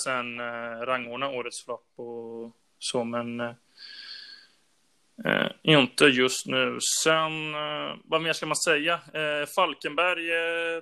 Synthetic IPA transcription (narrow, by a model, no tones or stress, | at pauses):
sɛnɾaŋːʊɳaoːɾət̪sflɔpːɔ | sɔmɛn | ɪnt̪əjɵst̪nʉ̟ːsɛnvameːʂkamansɛjːafalkənbæɾj